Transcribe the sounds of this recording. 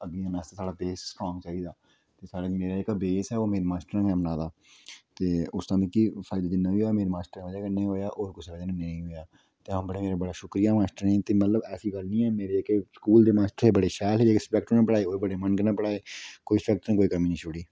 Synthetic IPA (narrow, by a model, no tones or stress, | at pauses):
əɡiãːnaːst̪eːsaːɽaːbeːsskɔːŋt͡ʃaːiːd̪aː | t̪eːsaːɽameːɾaːɪkːbeːsɛːoːmeːɾeːmaːsʈəɾãːkɛːmənãːd̪aː | t̪eːʊst̪ãːd̪iːkifʰaːɪd̪aːd͡ʒɪnːãːʋiːɦoːjaːmeːɾemaːsʈəɾãʋəd͡ʒaːkənẽĩɦoːjaːʔoːɾkʊseːlaːd͡ʒanãneĩːɦoːjaː | t̪eːɦõːbəɽeːmeːɾaːbəɽaːʃʊkɾijaːmaːsʈəɾẽːt̪eːmət̪ləbɛːsiːɡəlnĩːɛːmeːɾeːɪkskuːld̪eːmaːsʈəɾɦeːbəɽeːʃɛːlɦeːeːkspɛːk̚ʈonaːpəɽaːeːoːebəɽeːmənkənãːpəɽaːeːkoːiːspɛk̚ʈnãːkoːikəɾmiːnĩːt͡ʃʊɽiː